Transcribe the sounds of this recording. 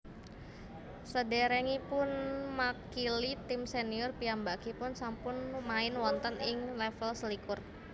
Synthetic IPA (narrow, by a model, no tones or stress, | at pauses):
sədɛɾɛŋipʊnmakilit̪ɪmseniʊrpiambakipʊnsampʊnmaɪnwɔnt̪ənʔɪŋlɛfəlsəlikʊr